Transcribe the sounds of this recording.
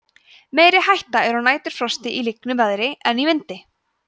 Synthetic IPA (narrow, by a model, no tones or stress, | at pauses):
meːjɾɪhajht̪aɛɾhunaːjt̪ʏɾ̥fɾɔst̪ɪʔiliknʏmvɛðɾɪɛnivɪnt̪ɪ